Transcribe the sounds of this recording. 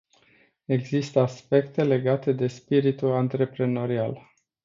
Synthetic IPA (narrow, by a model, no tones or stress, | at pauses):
e̞ɡzist̪əaspe̞kt̪e̞le̞ɡat̪e̞d̪e̞spiɾit̪ulant̪ɾe̞pɾe̞no̞ɾial